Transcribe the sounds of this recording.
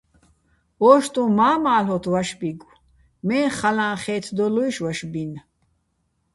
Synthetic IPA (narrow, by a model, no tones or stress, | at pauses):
ɔːʃt̪ʼũmaːmaːlɔt̪ʰwaʃbiɡ | mɛːχalãːχɛːt̪ʰd̪ɔlujʃwaʃbin